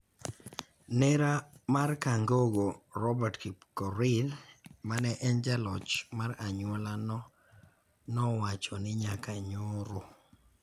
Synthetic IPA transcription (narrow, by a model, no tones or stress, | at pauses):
nɛɾamarkaŋɡoɡoɾɔbɛtkɔɾilmanɛʔɛnd͡ʒalɔt͡ʃmaɾaɲʊɔlanɔ | nɔwat͡ʃonɪɲakaɲoɾo